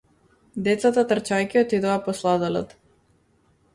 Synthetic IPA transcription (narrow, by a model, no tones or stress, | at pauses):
d̪ɛt̪sat̪at̪rt͡ʃajkʲiɔt̪id̪oapɔslˠad̪alɛ̰t̪